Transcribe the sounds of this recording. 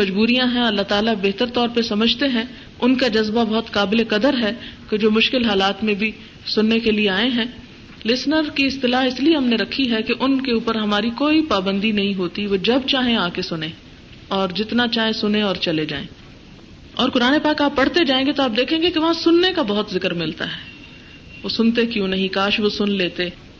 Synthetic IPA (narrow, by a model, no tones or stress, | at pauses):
mɐd͡ʒbuːɾijãɦɛ̃ɐlːaɦt̪aːlabeɦt̪əɾt̪ɔːɾpəsɐməd͡ʒʱt̪eɦɛ̃ | ʊnkad͡ʒɐzbabɐɦʊt̪kaːbɪlekɐd̪əɾɦɛked͡ʒoːmʊʃkɪlɦaːlaːt̪mẽbʱi | sʊnːekelieaːẽɦɛ̃ː | lɪsnəɾkiɪst̪ɪlaːɦɪslieɦɐmneɾɐkʰiɦɛkeʔʊnkeuːpəɾɦɐmaːɾikoːipaːbə̃nd̪inɐɦĩɦoːt̪iʋod͡ʒɐb̚t͡ʃaːɦẽaːkesʊnẽ | ɔːɾd͡ʒɪt̪nat͡ʃaːɦẽsʊnẽɔːɾt͡ʃɐled͡ʒaːḛ̃ː | ɔːɾkʊɾaːnepaːkaːpːɐɽ̤t̪ed͡ʒaːẽːŋɡet̪oaːp̚d̪eːkʰẽːɡekeʋɐɦãsʊnːekabɐɦʊt̪zɪkəɾmɪlt̪aɦɛː | ʋosʊnt̪̬ekjõːnɐɦĩkaːʃʋosʊnleːt̪e